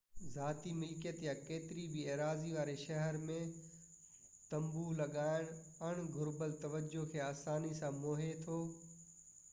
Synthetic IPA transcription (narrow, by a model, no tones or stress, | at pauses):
zaːt̪imɪlkjət̪jakeːt̪ɪɾibɪeːɾaːziʋaːɾeʃɐɦəɾmẽ | t̪ɐ̃mbulɐɠaːɪɽ̃ | ɐɽ̃ɡʱʊɾbəlt̪ɐʋəd͡ʑokʰeːaːsaːnisãmoːɦet̪ʰoː